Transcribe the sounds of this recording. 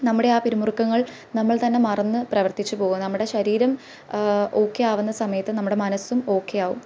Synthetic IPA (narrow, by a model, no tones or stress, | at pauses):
nɐmːuɽe̞aːpiɾumurkːɐŋːɐɭ | nɐmːɐɭt̪ɐnːe̞mɐrɐnːɨprɐʋɐrt̪it͡ɕːupo̞ːɣumnɐmːuɽe̞ɕɐɾiːɾɐm | o̞ːkːejaːʋenːɐsɐmɐjɐt̪ːɨnɐmːuɽe̞mɐnɐsumo̞ːkːejaːʋṵm